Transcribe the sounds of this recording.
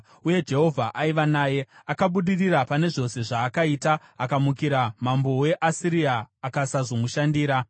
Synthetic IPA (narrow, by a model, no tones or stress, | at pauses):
uje̞d͡ʒe̞ɦo̞vʱaʔaiʋanaːje̞akaɓuɗirirapane̞ʐo̞se̞ʐaːkaitaakamukiɾamambo̞we̞ʔasiɾiaːkasaʐomuʃandiːɾa